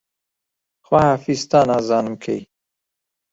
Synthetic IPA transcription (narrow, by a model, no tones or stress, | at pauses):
xwahaːfizt̪aːnaːzɑːnɨmkʰḛj